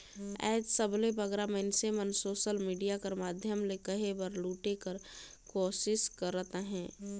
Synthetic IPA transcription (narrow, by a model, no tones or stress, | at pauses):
ɛ̰ːd͡ʒsəblebəɡɾamənsemənsoːʃəlmiːɖijakəɾmaːd̪ʱjəmlekəɦebəɾluːʈekəɾ | koːʃɪskəɾːət̪aɦɛ̃ː